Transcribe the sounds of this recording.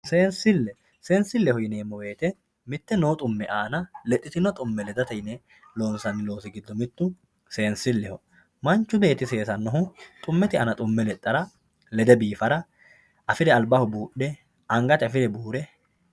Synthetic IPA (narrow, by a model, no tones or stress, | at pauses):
se̞ːnsɪlːɛ | se̞ːnsɪlːɛhɔjɪneːmːɔwe̞ːt̪ɛ | mɪt̪ːɛnoːt̪ʼʊmːɛʔaːnɐlɛt̪ʼːɪt̪ɪnɔt̪ʼʊmːɛlɛd̪ɐt̪ɛjɪnɛ | loːnsɐnːɪlo̞ːsɪɡɪd̪ːɔmɪt̪ːʊ | se̞ːnsɪlːɛhɔ | mɐnt͡ʃːʊbe̞ːt̪ɪse̞ːsɐnːɔɦʊt̪ʼʊmːɛt̪ɪʔɐnɐt̪ʼʊmːɛlɛt̪ʼːɐɾɐ | lɛd̪ɛbiːfɐɾɐ | ʔɐfɪd̪ɛɐlbɐhʊbuːɗːɛ | ɐŋɡɐt̪ɪɐfɪd̪ɛbuːɾɛ